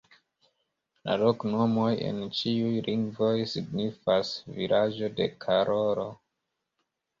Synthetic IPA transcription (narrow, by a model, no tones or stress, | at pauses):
la̰lokno̞mo̞je̞̰nt͡ʃiujlʔiŋɡvo̞jsiɡnifasvilʔad͡ʒo̞de̞kʰaɾʔoɾo̞